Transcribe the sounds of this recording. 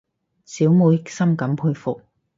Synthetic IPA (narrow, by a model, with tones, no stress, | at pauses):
siː˨˥wmu˨˧˥jk̚sɐ˥mkɐ˨˥mpʰuː˧jfʊ˨k̚